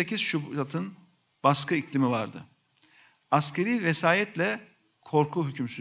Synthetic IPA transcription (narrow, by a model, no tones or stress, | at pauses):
ecʰiz̥ʃub̪at̪ʰɯn | b̥askʰɯiclʲimivaɾd̪ɯ̰ | ascʰe̞ɾiːvesaːjɛt̪lʲɛ | kʰo̞ɾkʰuɦycʰymsy